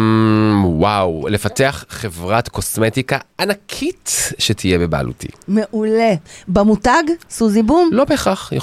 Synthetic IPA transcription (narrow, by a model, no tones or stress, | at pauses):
wawlefateaχːevʁatko̞smetikaanakʰitʃetʰijebeba̰ːlṵtḭmeʔulebamutaɡsuzibumlo̞beχaχjḛ